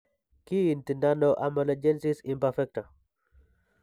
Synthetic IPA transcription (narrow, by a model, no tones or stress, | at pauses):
kintindanɔʔamalɛd͡ʒɛnsisimpafɛk̚ta